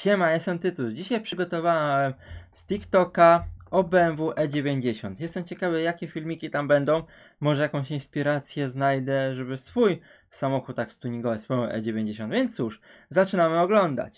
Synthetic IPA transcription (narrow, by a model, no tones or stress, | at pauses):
t͡ɕɛmajest̪ɛmt̪ɘt̪uld͡ʑiɕajpʂɘɡɔt̪ɔvawɛmst̪ʲikt̪ɔkaɔbɛɛnvuʔɛd͡ʑevʲjeɲd͡ʑeɕɔnt̪jɛst̪ɛmt͡ɕɛkavɘjakʲɛfʲilmʲikʲit̪ambɛnd̪ɔ̃w̃ | mɔʐɛjakɔ̃w̃ɕinspʲiɾat̪sʲjɛznajd̪ɛʐɛbɘsfuj | samɔxut̪̚ːakst̪uɲiɡɔvɛspɔ̃ʔɛ̰d͡ʑevʲjeɲd͡ʑeɕ̬ɔnvʲjent̪suʂzat͡ʂɘnamɘɔɡlɔnd̪a̰t͡ɕ